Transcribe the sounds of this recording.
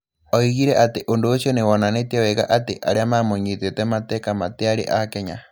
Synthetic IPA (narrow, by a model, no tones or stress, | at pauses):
ɔiɣiɾɛʔateʔondoːʃjonewɔnanetiawɛɣa̰ʔateʔa̰ɾeamamoɲitetɛmatɛkamateaɾḛʔakɛɲa